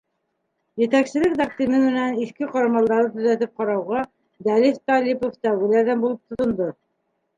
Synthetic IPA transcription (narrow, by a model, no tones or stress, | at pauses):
jɘ̆t̪æksɘ̆lɘkd̪ɑkt̪imɘnmɘ̆næniθkɘqɑɾɑmɑlˠd̪ɑɾɤt̪ɵ̆zæt̪ɘp̚qɑɾɑwʁɑ | d̪ælift̪ɑlʲipoft̪æwɡɘ̆læɾðænbulˠop̚t̪ŏt̪ŏnd̪o